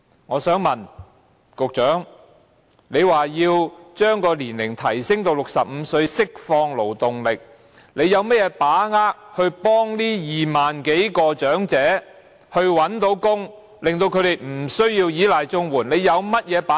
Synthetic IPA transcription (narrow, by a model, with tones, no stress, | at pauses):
ŋɔː˨˧sœː˨˥ŋmɐ˨n | kʊ˨k̚t͡ʃœː˨˥ŋ | ne˨˧jwaː˨˩jiː˧wt͡ʃœː˥ŋkɔː˧liː˨˩nlɪ˨˩ŋt̪ʰɐ˨˩jsɪ˥ŋt̪o˧wlʊ˨k̚sɐ˨p̚m̩ː˨˧sɵ˧ɥsɪ˥k̚fɔː˧ŋlo˨˩wt̪ʊ˨ŋlɪ˨k̚ | le˨˧jɐ˨˧wmɛ˥t̚jɛː˨˧paː˨˥ŋaː˥k̚hɵ˧ɥpɔː˥ŋliː˥jiː˨maː˨nke˨˥jkɔː˧t͡ʃœː˨˥ŋt͡sɛː˨˥ | hɵ˧ɥwɐ˨˥nt̪o˨˥wkʊ˥ŋ | lɪ˨ŋt̪o˧wkʰɵ˨˧ɥd̪e˨˩jm̩˨˩sɵ˥ɥjiː˧wjiː˨˥laː˨jt͡sʊ˥ŋwuː˨˩nle˨˧jɐ˨˧wmɐ˥t̚jɛː˨˧paː˨˦˥